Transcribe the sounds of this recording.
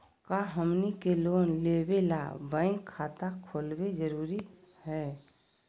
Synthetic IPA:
kaɦəmnikeloːnleːbela̰bãɪ̃ŋkʰːaːt̪akʰoːlwed͡ʒəɾuːɾihɛː

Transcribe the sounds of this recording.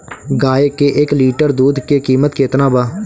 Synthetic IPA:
ɡaːekeːʔekliːʈəɾd̪uːd̪kekiːmət̪keːt̪nãːbaː

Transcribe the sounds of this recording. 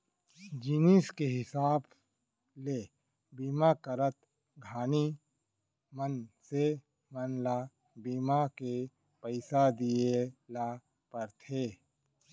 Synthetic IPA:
d͡ʒiːniskeɦɪsaːb | le | biːmakəɾət̪ | ɡʱaːni | mənse | mənla | biːmake | pəɪsad̪ijela | pəɾt̪ʰeː

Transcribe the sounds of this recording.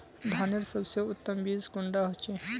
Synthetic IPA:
d̪ʱaneɾsəbseʊt̪ːəmbiːskuɳɖaɦot͡ʃe

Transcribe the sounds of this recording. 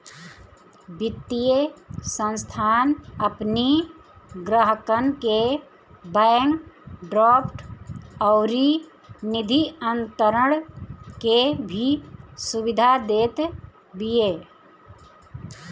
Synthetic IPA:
bɪt̪ːijesə̃nst̪ʰaːnəpni | ɡɾəɦəkənke | bəːŋɡɖɾɔːpʈɔʊɾi | nɪd̪ʱiə̃nt̪əɾəɽ̃kebʱisubɪd̪ʱad̪eːt̪ | bijeː

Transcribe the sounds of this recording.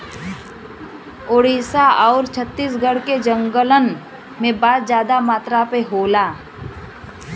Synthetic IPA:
oːɽiːsaɔːɾt͡ʃʰət̪ːiːs̬ɡəɽked͡ʒə̃ŋɡələn | mẽbaːd̪d͡ʒjaːd̪amaːt̪ɾapeɦoːlaː

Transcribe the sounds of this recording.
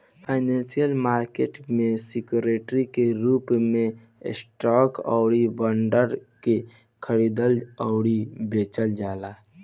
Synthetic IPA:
pʰaɪnẽnsijəlmaːɾkeːʈmẽsɪkjuɾeːʈɾikeɾuːpmẽ | sʈɔːkɔ̰ːɽibəɳɖəɾke | kʰəɽid̪əlɔʊɽibeːt͡ʃəld͡ʒaːla

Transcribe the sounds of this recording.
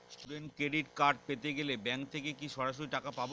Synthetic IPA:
sʈuɖeɳʈkɾeɖiʈkaɾɖ̚pet̪eɡelebɛŋkt̪ʰekekiʃɔɾaʃoɾiʈakapabo

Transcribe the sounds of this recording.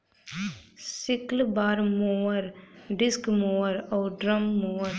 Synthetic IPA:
sɪklbaːɾmoːəɾɖɪskmoːəɾɔːɾɖɾəmːoːəɾ

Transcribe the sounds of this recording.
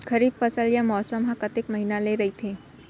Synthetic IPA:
kʰəɾiːbfəsəljamɔsəmɦãkət̪ekməɦinaleɾəit̪ʰe

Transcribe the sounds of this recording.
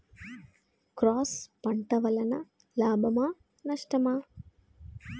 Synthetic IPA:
kɾaːspɐɳʈɐʋɐlɐnɐ̰ | laːbʱɐmaː | nɐʂʈɐmaː

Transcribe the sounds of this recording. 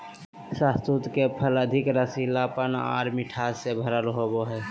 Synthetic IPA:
sãst̪ut̪kepʰələd̪ʱɪkɾəsilapəna̰ːɾmiʈʰaːsebʱəɾəlɦoboɦɛː

